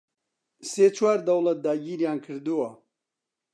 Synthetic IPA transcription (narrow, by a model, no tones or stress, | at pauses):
seːt͡ʃʰwaːɾd̪ɐwlˠɐt̪̚d̪aːɡiːɾjaːnkʰɨɾd̪uwɐ